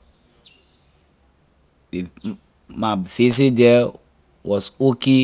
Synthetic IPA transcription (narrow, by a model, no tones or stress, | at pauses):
de | mafes̬idɛ | wɔsoke